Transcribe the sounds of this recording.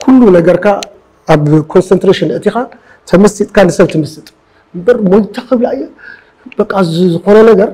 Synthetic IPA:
kʰulːunɐɡɐɾkʰaː | βkʰo̞nsɐnt̪ɾeʃinɨʔt̪ʰixa | t̪ʰɐmɐsit̪ʼkʰanɨsɐβt̪ʰɨmɐsɨt̪ʼ | mbɐɾmojt̪ʰaxɨβlajːu | bɐkʼːazzɨxo̞nɐnɐɡɐɾ

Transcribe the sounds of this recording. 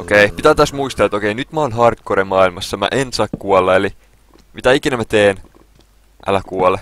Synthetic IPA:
okeipit̪æːt̪æsmuist̪ɑet̪okeinyt̪mæonɦɑrt̪̚koɾemːɑːilmɑsːɑmæ̰ʔensɑkkuolːɑeli | mit̪æikinæmæt̪eːn | ʔæ̰lækuole

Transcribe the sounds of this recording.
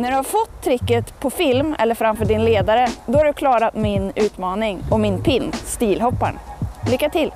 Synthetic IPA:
næɖɵhaɾfɔt̪ʰːɾɪkːət̪pʰɔfɪlmɛ̰lːəɾfɾamfœːɖɪnleːd̪aɾəd̪ɔhaɾɖɵkʰlɑːɾat̪mɪnʉ̟ːt̪mɑːnɪŋɔmɪnpʰɪnːst̪iːlɦɔpːa̰ɳlʏkːat̪ʰɪl

